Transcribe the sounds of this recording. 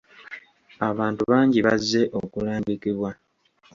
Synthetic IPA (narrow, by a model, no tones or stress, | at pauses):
aβaːntuβaːɲɟiβazːe̞ʔo̞kulaːmbikiβwa